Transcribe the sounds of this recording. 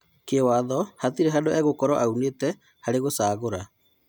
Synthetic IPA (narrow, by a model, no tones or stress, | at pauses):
kewaðɔhatiɾɛɦadoɛɣokɔɾɔʔauneːtɛ | haɾeɣosaːɣoɾa